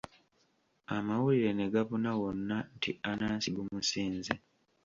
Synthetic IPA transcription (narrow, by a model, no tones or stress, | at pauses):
amawuliɾe̞ne̞ɡaβunawonːantʰianaːnsiɡumusiːnze